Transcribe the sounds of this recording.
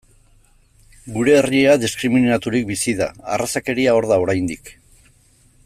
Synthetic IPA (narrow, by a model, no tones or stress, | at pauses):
ɡuɾe̞ːrie̞aðiskɾiminat̪uɾik̚bisiða̰a̰rasake̞ɾiao̞ɾðao̞ɾajnd̪ik